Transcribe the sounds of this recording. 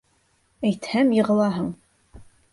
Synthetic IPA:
ejt̪ʰhæmjɪʁə̆lˠɑːɦəŋ

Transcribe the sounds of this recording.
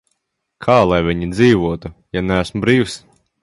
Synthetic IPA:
kʰaːlˠajvʲiɲid̪ziːʋuɔt̪ujanææsmubɾiːws

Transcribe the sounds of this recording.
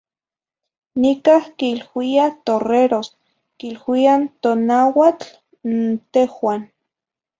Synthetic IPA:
nikahkilwiat̪oreɾos | kilwiant̪onawat͡ɬ | nt̪ehwan

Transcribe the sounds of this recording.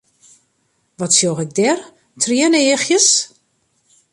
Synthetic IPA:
ʋɔtsjoxɪɡ̚dɛr | tʰriəneːxjəs

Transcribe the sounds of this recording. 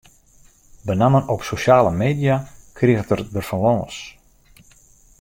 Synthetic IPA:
bənamənopsoʃjaːləmeːdjakʰriəɣətərdərfanloːs

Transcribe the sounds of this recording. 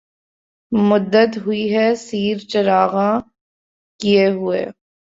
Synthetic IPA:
mʊd̪ːət̪ɦʊiɦɛsiːɾt͡ʃɐɾaːɣã | kijeɦʊḛː

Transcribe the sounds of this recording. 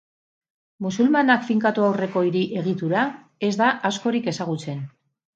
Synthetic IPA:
musulmanakfiŋkat̪uawre̞ko̞iɾiʔe̞ɣit̪uɾa | e̞zd̪aʔasko̞ɾike̞saɣ̞ut͡se̞n

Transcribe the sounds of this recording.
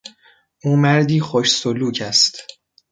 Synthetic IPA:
ʔuːmæɾd̪iːχoʃsoluːcʰæst̪

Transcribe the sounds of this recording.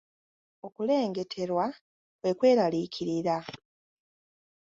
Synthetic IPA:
o̞kule̞ːŋɡe̞tʰe̞ɾwa | kwe̞kwe̞ːɾalicʰiɾiɾa

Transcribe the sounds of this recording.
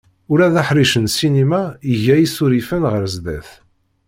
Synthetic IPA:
ʊɾæðæħɾiʃənsinimæiʝæjisuɾifənʁəɾzd̪æθ

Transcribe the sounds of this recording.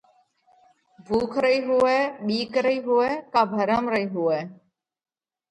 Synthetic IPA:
bʱuːkʰɾəiːɦʊɛːɓiːkɾəiːɦʊɛːkãːbʱəɾəmɾəiːɦʊɛː

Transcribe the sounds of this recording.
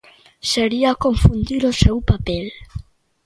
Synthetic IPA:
seɾiakoɱfund̪iɾosewpapel

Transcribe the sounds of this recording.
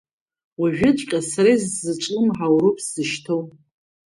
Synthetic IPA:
waʒᶣɪt͡ʃʷʼqʲʼasaɾajzzɨʈ͡ʂʷʼɨmħawɾupʰʼszɨʃtʰow

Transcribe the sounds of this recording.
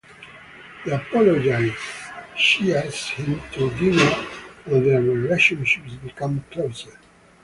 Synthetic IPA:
ðiapɔlɔd͡ʒaɪzʃiashɪ̃mtʰudinowɛðəɹileʃɔ̃nʃɪpsbikʌ̃mkʰloʊsə˞

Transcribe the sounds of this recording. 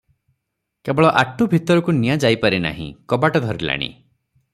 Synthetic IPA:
kebɔɭɔʔaʈʰubʱit̪ɔɾɔkunijad͡ʒajpaɾina̰ɦḭ̃kɔbaʈɔd̪ʱɔɾila̰ɽ̃ḭ

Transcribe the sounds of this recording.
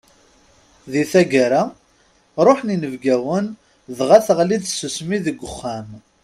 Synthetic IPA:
ðiθæɡaɾa | ɾˤoħninəvɡæwən | ðʁaθʁlid̪susmiðəɡʷːʊχːæm

